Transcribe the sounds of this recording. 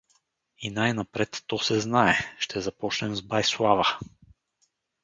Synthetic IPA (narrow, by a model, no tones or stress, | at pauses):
inajnɐpɾɛt̪ːɔsɛznaɛʃt̪ɛzɐpɔt͡ʃnɛmzbajslˠavə